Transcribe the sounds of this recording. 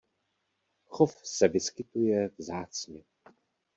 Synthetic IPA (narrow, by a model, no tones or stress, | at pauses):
xofsɛvɪskɪt̪ujɛvzaːt͡sɲɛ